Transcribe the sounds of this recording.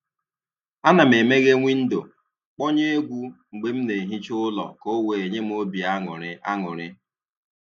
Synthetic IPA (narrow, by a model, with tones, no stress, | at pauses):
a˦na˨me˨me˦ɡe˦ŋʷi˦n̩˦do̰˨ | k͡pɔ˦ɲe˦e˦ɡʷu˦ŋ͡m̩˨ɡ͡be˦m̩˦ne˨ɦi˦t͡ʃʊ˦lɔ̰˨ko˦we˨e˨ɲe˦m̩˦o˦bi˨a˦ŋʊ̰˨ɾɪ˦ʔa̰˦ŋʊ̰˨ɾɪ˦